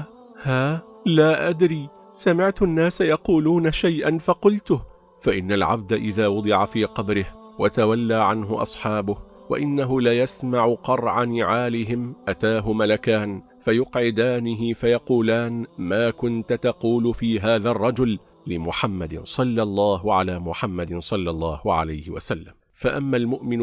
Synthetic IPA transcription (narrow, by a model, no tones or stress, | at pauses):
haːlaːʔad̪ɾiː | samɪʕt̪ʊʔanːaːsajɑquːluːnaʃajʔanfɑqʊlt̪ʊh | faʔɪnːalʕa̰b̚d̪aʔɪðaːwʊd̪ˤɨʕafiːqɑbɾɪh | wat̪awalːaːʕanɦʊʔɑ̰sˤħɑːbʊh | wa̰ʔɪnːaɦʊlajasmaʕʊqɑrˤʕanɪʕaːlɪɦɪmʔat̪aːɦʊmalakaːn | fajʊqʕɪd̪aːnɪɦɪfajɑquːlaːnmaːkʊnt̪ʊt̪ɑquːlʊfiːɦaːðarˤːɑd͡ʒʊlː | ɪmʊħamːad̪ɪsˤɑlːɑlˤːɑːɦʊʕalaːmʊħamːad̪ɪnsˤɑlːɑlˤːɑːhʊʕa̰lajhɪwa̰salːam | faʔamːalmʊʔmɪn